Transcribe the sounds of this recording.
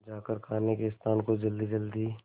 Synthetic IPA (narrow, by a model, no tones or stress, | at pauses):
d͡ʒaːkəɾkʰaːnekeɪst̪ʰaːnkod͡ʒɐld̪id͡ʒəld̪i